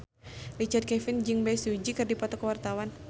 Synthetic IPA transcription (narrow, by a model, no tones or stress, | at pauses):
rit͡ʃard̪̚kɛfɪnd͡ʒɨŋbɛsud͡ʒikɨrdipɔt̪ɔkəwart̪awan